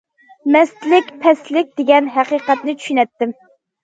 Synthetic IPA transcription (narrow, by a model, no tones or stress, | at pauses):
mɛst̪lɪkʲpʰɛslɪk̚ʲd̪̥eɡʲɛnɦæqiqɛt̪nɪt͡ʃʰy̥ʃynɛt̪ːɪm